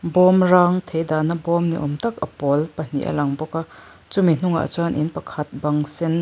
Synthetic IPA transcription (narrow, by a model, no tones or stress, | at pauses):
bɔmɾaŋt̪ʰejd̪anɐbɔmniʔɔmt̪ɐk̚ɐ̰pɔlpɐn̥ḭʔɐ̰lɐŋbɔkɐ | t͡ʃumin̥uŋɐ̰ʔɐ̰t͡ʃanʔinpɐkʰɐt̪̚bɐŋsɛn